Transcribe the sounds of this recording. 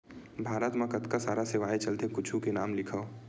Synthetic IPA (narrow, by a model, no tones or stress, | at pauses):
bʱaːɾət̪mẽkət̪kasaːɾaseʋaːet͡ʃəlt̪ẽkʊt͡ʃʰukenaːmlɪkʰə